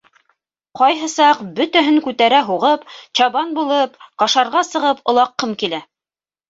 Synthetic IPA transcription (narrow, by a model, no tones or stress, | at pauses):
qɑjɦɤ̆sɑqbɵt̪æɦɘŋkʉt̪æɾæɦuʁɤpt͡ɕɑβɑnbulˠɤp̚qɑʃɑɾʁɑsɤ̆ʁɤpŏlˠɑqːɤmkilæ